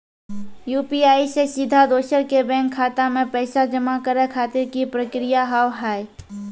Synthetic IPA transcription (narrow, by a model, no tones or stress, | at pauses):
juːpiaːisesɪd̪ʱad̪oːʃəɾkebɛ̃ːŋkʰːaːt̪amẽpɛːsad͡ʒəmakəɾekʰaːt̪ɪɾkipɾəkɾɪjaɦawɦaːi